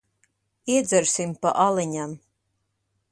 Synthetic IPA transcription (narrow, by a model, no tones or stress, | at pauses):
iɛd̪zɛɾsimpa̰ʔalˠiɲam